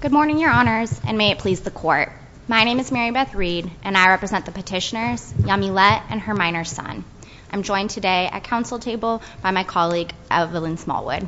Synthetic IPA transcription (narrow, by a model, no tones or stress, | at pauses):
ɡ̥ʊd̚mɔɹnɪ̃ŋjə˞ɑnə˞zʔɨ̰̃nmeɪɨt̚pʰl̥izðəkʰɔɹt̚ | maɪñẽɪ̃mɨzmɛɹibɛθɹiɾʔɨ̃naɪɹɛpɹɨzɛ̃nðəpʰɨtʰɪʃɨnə˞z̥jɑmilɛɾɨ̰̃nə˞mãɪ̃nə̥˞sʌ̰̃n | ʔãɪ̃md͡ʒɔ̃ɪ̃ntʰɨdeɪʔɨ̰t̚kʰãʊ̃nsl̩ˠtʰeɪbl̩ˠ | b̥aɪmaɪkʰɑlˠiɡʔɛvɪlˠə̃nsmɔ̰lˠwʊ̰d̥